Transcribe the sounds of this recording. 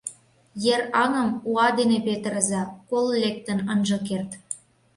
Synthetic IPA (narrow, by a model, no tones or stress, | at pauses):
jerɑnə̆muɑd̪enepet̪əɾəzɑkollʲek̚t̪ə̆nənʒɤkert̪